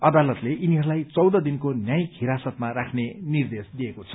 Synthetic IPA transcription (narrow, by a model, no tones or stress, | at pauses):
ʌd̪alʌt̪leʔiniɦʌɾulajt͡sʌwd̪ʌd̪inkonjaj̃kʰiɾasʌt̪maɾakʰnenird̪esd̪ijekot͡sʰʌ̥